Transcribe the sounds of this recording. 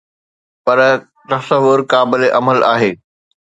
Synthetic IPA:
pɐɾ | t̪ɐsəʋʊɾkaːbɪleʔɐməla̰ːɦeː

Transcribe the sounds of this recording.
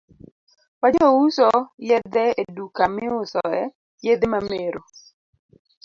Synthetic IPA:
wad͡ʒɔwusɔjɛd̪ɛedukamɪʊsɔ̰ɛ | jed̪emameɾo

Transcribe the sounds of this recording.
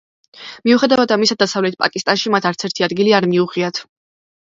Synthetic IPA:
miuχɛd̪avad̪amisad̪asavlɛt̪̚ʰpʼa̰kʼist̪ʼanʃimat̪ʰaɾt̪sʰɛɾt̪ʰiad̪ɡiliaɾmiuʁiat̪ʰ

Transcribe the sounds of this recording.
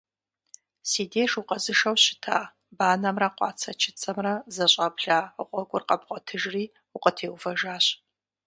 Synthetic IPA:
siːdeːʂuqʼɐzɨʂɐwɕɪ̥tʰa̰ː | baːnɐmrɐqʷɑ̰ːt͡sʰɐt͡ʃʰɪt͡sʰʼɐmrɐzɐɕʼɐbɬaːəqʷʼɔɡʷʼʊrqʼɐbqʷʼɔtʰɨʒriː | ʊqʼətʰeːwfɐʒaːɕ

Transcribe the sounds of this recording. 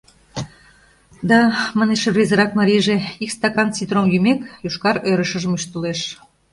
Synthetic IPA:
d̪ɑmɑneʃeβrʲezəɾɑk̚mɑɾʲijʒeikst̪ɑkɑnt͡sit̪romjymekjuʃkɑɾøɾə̆ʃə̆ʒəmyʃt̪əleʃ

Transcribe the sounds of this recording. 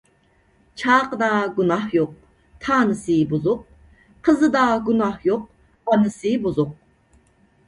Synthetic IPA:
t͡ʃʰɑːqəd̪ɑɡunɑhjoq̚ | t̪ʰɑːnɨsɨbuzʊq̚ | qʰəzɨd̪ɑɡunɑhjoq̚ | bɑnɨsɨbuzʊq̚

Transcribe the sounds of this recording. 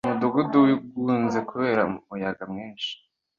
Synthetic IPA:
muduɡuduuɡuːnzekuβe̞ːɾaumujaɡamŋiːnʃi̥

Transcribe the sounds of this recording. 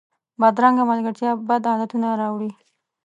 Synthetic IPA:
bad̪ɾaŋɡamalɡaɾt̪jɑbad̪ɑlat̪unaɾɑwɽi

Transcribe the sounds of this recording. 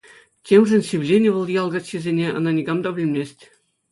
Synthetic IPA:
tʲemʐɘ̆nʲsʲiʋʲlʲenʲɘ̆ʋɤ̆lˠjɑlˠɡɑtʲɕĕzʲenʲeɑ̰̆nɑnʲiɡɑmd̪ɑbʲɘ̆lʲmʲesʲtʲ

